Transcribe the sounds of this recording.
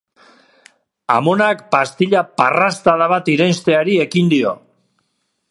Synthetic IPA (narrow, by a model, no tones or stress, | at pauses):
a̰mo̞nakpast̪iʎaparast̪aðaβ̞at̪iɾenst̪e̞aɾie̞kind̪io̞̰